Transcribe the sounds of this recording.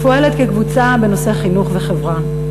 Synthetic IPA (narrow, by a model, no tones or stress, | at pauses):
foeletkekvut͡sabeno̞seaχinuχveχevʁa